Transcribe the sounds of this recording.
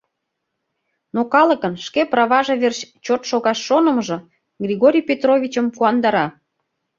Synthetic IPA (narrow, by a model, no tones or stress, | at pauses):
nokɑlə̆kənʃkeprɑβɑʒeβerɕt͡ɕot̪ʃoɣɑʃːonəməʒɤ̆ | ɡrʲiɣoɾʲijpʲet̪rovʲit͡ɕəmpuɑnd̪ɑɾɑ